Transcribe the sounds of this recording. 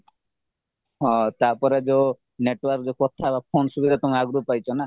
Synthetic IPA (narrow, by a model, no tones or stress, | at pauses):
ɦɔ̃t̪apɔɾed͡ʒe | neʈwɔɾkd͡ʒekɔt̪ʰabapʰonsubid̪ʱat̪ɔŋaɡɾupajt͡ʃʰɔna